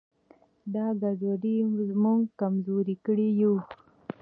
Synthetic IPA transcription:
d̪ɑɡazaɾimuŋɡkamzoɾikəɽiju

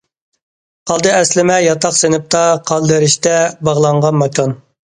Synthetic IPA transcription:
qʰɑlˠd̪ɨɛslɪmɛjɑt̪ɑχsenɪp̚t̪ʰɑqʰɑlˠd̪ɪɾɪʃt̪ɛbɑʁlˠɑɴʁɑnmɑkʰɑn

